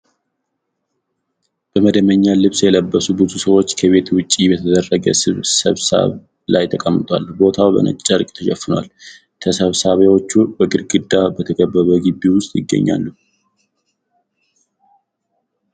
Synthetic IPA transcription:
b̥əməd̪əməɲːalɨβsjɛləbːəsubɨzusəwo̞t͡ʃːkʰəβe̞t̪wʊt͡ʃʼːibət̪ʰəd̪ərːəɡə̰sɨβsəβsə̰β | lajt̪ʰəkʼəmːɨt̪ʰʼwa̰lbo̞t̪ʰawbə̰nə̰t͡ʃʼt͡ʃʼəɾkʼt̪ʰəʃɛfːɨnwa̰l | t̪ʰəsəβsaβewo̞t͡ʃːubəɡʼɨɾɡʼɨd̪ːabət̪ʰəkʰʼəbːəβəɡibːiwʊst̪ʼjɪɡːə̰ɲːa̰lːu

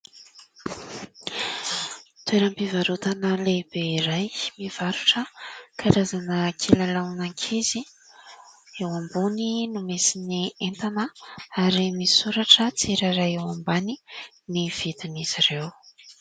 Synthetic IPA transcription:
t̪weɾəmpivaɾut̪anəlebeiɾajmiv̥aɾuʈ͡ʂəkʰaɾazanəkʰelalanaŋkʰezi | ewambuninumesinient̪anəaɾimisuɾaʈ͡ʂət͡siɾaɾajewambani | niv̥id̪iniz̥irew

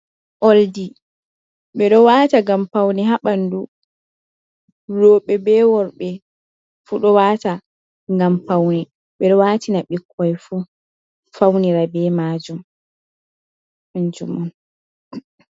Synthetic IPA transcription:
ʔoldi | ɓɛɗɔwaːtaɡampawniɦaɓandu | ɾɔːɓɛbɛːwɔɾɓɛ | fuɗɔwata | ŋɡampawni | ɓɛɗɔwaːtinaɓikʰːɔjfu | fawniɾabɛmaːd͡ʒum | nd͡ʒumɔn

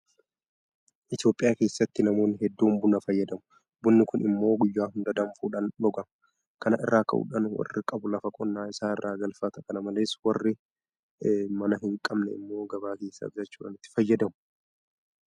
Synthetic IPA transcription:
ʔɪt̪jo̞ːpʼːɪjaːke̞ːsːɐt̪ːɪnɐmo̞ːnɪɦɛd̪ːuːmbʊnɐfɐjːɐd̪ɐmʊ̥ | bʊnːɪkʊnɪmːo̞ːɡʊjːaːhʊnd̪ɐd̪ɐmfuːᶑɐnlɔɡɐmɐ | kɐnɐɪ̰rːaːkʼɐ̰ʔṵᶑɐnwɐ̰rːɪkʼɐbʊlɐfɐkʼɔnːaːɪsaːɪrːaːɡɐlfɐt̪ɐkɐnɐmɐle̞ːswɐrːɪ | mɐnɐɦɪŋkʼɐbnɛɪ̰mːo̞ːɡɐbaːke̞ːsːa̰ːbzɐt͡ʃːuːᶑɐ̰nɪt̪ːɪ̥fɐjːɐd̪ɐmʊ̥

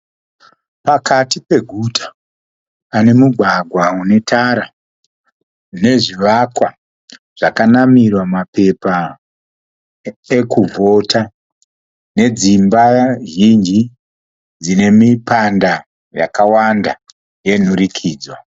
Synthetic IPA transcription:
pakatipe̞ɡʱutʰḁ | ane̞muɡʱwaɡʱwaune̞tʰaɾa | ne̞ʐiʋakwa | ʐ̥akanamirwamape̞pa | ekuvʱo̞tʰa | ne̞d͡zimbaʒind͡ʒi | d͡zine̞mipanda | ja̰kawanda | je̞n̤urikʰiːd͡zwa

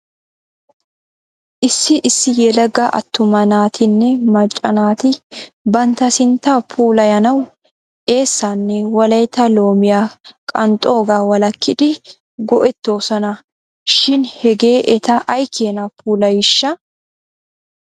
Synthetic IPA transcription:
ʔɪsːɪʔɪsːɪjɛlɐɡɐʔɐ̰t̪ːʊmɐnaːt̪ʰɪnːɛmɐt͡ʃʼːɐnaːt̪ɪbɐnt̪ɐsɪnt̪apʰuːlɐjɐnɐw | ʔe̞ːsːanːɛwɐlɐjt̪ɐlo̞ːmɪjakʼɐnt̪ʼo̞ːɡaːwɐlɐkːɪd̪ɪ | ɡɔʔɛt̪ːo̞ːsɔnɐ | ʃɪnhɛɡe̞ːʔɛt̪ɐʔɐjkʰːeːnɐpʰuːlɐjɪʃːɐ

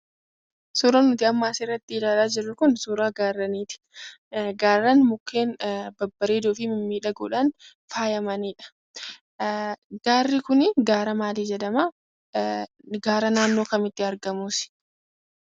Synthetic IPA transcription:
suːɾɐnːʊt̪ɪɐmːaːsɪrːɐt̪ːɪːlaːlaːd͡ʒɪrːʊkʊnsuːɾaːɡaːrːɐniːt̪ɪ̥ | ɡaːrːɐnmʊkːe̞ːnbɐbːɐɾeːd̪oːfɪmɪmːiːᶑɐɡṵːᶑɐn | faːjɐmɐniːᶑɐ̥ | ɡ̥aːrːɪkʊnɪɡaːɾɐmaːd̪iːd͡ʒɛd̪ɐmaː | ɡaːɾɐnaːnːo̞ːkɐmɪt̪ːɪɐɾɡɐmuːsɪ̥

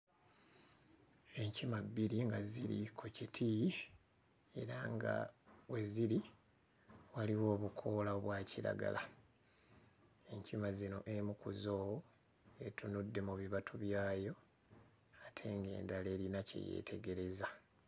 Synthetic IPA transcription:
e̞ɲcimabːiɾiŋɡaziɾḭkʰocitʰi | e̞ɾaŋɡa̰we̞ziɾi | waliwo̞ːβukʰo̞laoβwaːciɾa̰ɡa̰la | e̞ɲcimazino̞̰ʔemukuzo̞ːwo | e̞tunudːe̞muβiβatʰuβjaːjo̞ | atʰe̞ŋɡe̞̰ːndaleːɾinacḛjḛːtʰe̞ɡe̞ɾe̞za

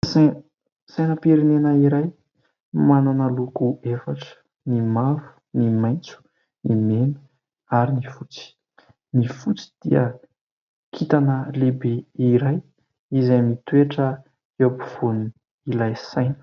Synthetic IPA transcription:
sa | sajnəpiɾinenəiɾaj | mananəlukuefaʈ͡ʂə̥ | nimavu̥ | nimajnt͡su̥ | nimenu̥ | aɾinifut͡si̥ | nifut͡si̥d̪̥iə̰ | kʰit̪anəlebeiɾaj | izamit̪weʈ͡ʂə | apuv̥on | ilajsajnə̥

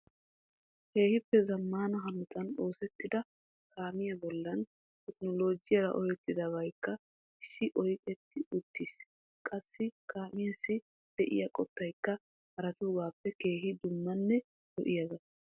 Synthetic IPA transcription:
ke̞ːhɪpːɛzɐmːaːnɐɦɐnʊt̪ʰʼɐno̞ːsɛt̪ːɪd̪ɐ | kaːmɪjɐbɔlːɐn | t̪ɛknɔlo̞ːd͡ʒɪjɐɾɐ̰ʔɔjɛt̪ːɪd̪ɐbɐjkːɐ | ɪsːɪʔɔjkʼɛt̪ːɪʔʊt̪ːɪs | kʼɐsːɪkaːmɪjɐsːɪ | d̪̥ɛʔɪ̰jɐkʼɔt̪ːɐjkːɐ | hɐɾɐt̪uːɡaːpːɛke̞ːɦɪd̪ʊmːɐnːɛ | d̪ɔʔɪjaɡɐs

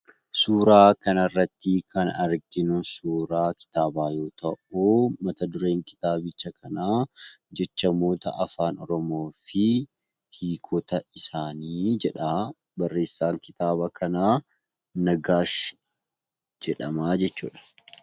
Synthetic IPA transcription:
suːɾaːkɐnɐrːɐt̪ːɪkɐnɐɾɡɪnʊsuːɾaːkɪ̥t̪aːbaːjo̞ːt̪ɐʔuːmɐt̪ɐd̪ʊɾe̞ːŋkɪ̥t̪aːbɪt͡ʃːɐkʰɐnaːd͡ʒɛt͡ʃːɐmo̞ːt̪ɐ̰ʔɐfaːnɔ̰ɾɔmoːfɪ | hiːkʰɔt̪ɐɪsaːniːd͡ʒɛᶑa | bɐrːe̞ːsːaːŋkɪt̪aːbɐkʰɐnaː | nɐɡaːʃ | d͡ʒɛᶑɐmaːd͡ʒɛt͡ʃːṵːᶑɐ̥

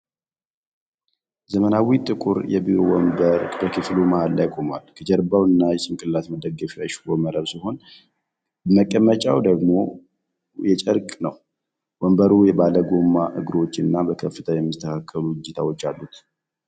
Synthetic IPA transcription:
zəmənawit̪ʼɨkʼuɾjɛ̰biɾowɔmbəɾbəkʰɨflumahlːajkʼoma̰lkʰəd͡ʒɛɾbawɨnːajɛsɨŋkʼɨlːat̪məd̪əɡːəfaʃwoməɾəɾsɨho̞n | bəməkʼːəmːət͡ʃʼawd̪əɡmo̞ | jɛt͡ʃʼəɾkʼnəw | wɔmbəɾujɛbaləɡo̞mːaʔɨɡɾo̞t͡ʃːɨnːabəkʰəfːɨt̪ʰəjɛmːist̪ʰəkʰakʰːəluɡɨd͡ʒɪt̪ʰawo̞t͡ʃːalːut̪

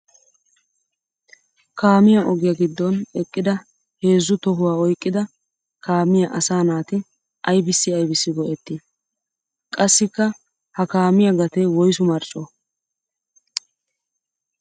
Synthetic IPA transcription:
kaːmɪjɐʔɔɡɪjɐɡɪd̪ːɔnɛkʼːɪd̪ɐ | he̞ːzːʊt̪ɔɦʊwaːɔjkʼːɪd̪ɐ | kʰaːmɪjɐʔɐsaːnaːt̪ɪ | ʔɐjbɪsːɪɐjbɪsːɪɡɔʔɛt̪ːɪ | kʼɐsːɪkːɐ | hɐkaːmɪjɐɡɐt̪ewɔjsʊmɐɾt͡ʃʼɔː

